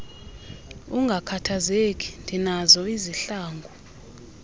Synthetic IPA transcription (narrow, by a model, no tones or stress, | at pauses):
uŋɡʱakʰatʰazek̬ʼi̥ndʱinazɔiziɬaːŋɡʱu